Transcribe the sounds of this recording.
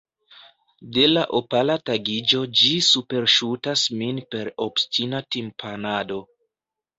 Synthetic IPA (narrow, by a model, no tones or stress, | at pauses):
de̞laʔopalataɡid͡ʒo̞d͡ʒisupe̞ɾʃutasminpe̞ɾo̞bstinatimpʰanado̞